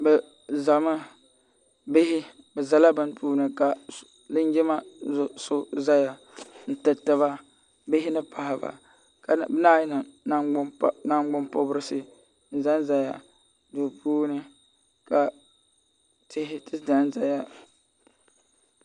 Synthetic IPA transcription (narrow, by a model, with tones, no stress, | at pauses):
bɛ˨ | za˨mɨ˦ | bɪ˦hɪ˦ | bɛ˨za˨la˦bɨ˦n˦puː˦nɨ˨ka˨ | lɨ˦n˦d͡ʒɪ˦ma˦zsʊ˦za˦ja˨ | n̩˨tɨ˨tɨ˦βa˦ | bɪ˦ɦɪ˦nɨ˦pa˨hɪ˨ba̰˨ | ka˨bna˦jɪ˦nɨ˨na˦˨na˦ŋ˦ɡ͡bʊ˦mpo˦bɨ˦ɾɨ˦sɨ˦ | n̩˨za˦n˦za˨ja˨ | dʊ˨pʰuː˦nɨ˦ | ka˨ | tʰɪ˦hɪ˦tɨ˦da˨n˦za˨ja˦